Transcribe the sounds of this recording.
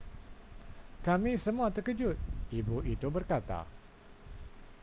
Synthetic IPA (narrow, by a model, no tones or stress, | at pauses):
kamisəmuat̪əkəd͡ʒʊt̪̚ibuʔit̪ubərkat̪a̰